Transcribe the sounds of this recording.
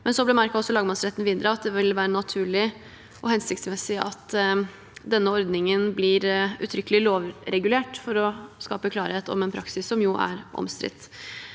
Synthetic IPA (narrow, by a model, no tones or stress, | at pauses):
mɛnsɔblɪmæɾkɑɔsːɔlɑːɡmɑnsɾɛt̪ːnʋɪnd̪ɾəɑt̪̚d̪ɛʋɪlʋæːɾənɑt̪ʰʉːɭɪ | ʔɔhɛnsɪk̚t̪smɛsɪʔɑ̰t̪ | d̪ɛnːəɔɾd̪nɪŋənblɪɾʉ̰t̪ʰɾʏkəlɪloːʋɾɛɡʉleːʈfɔɾɔskɑːpəkʰlɑːɾheːt̪ɔ̰mɛnpʰɾɑksɪsːɔmjʊʔæ̰ɾʔɔ̰mst̪ɾɪ̰t̪ː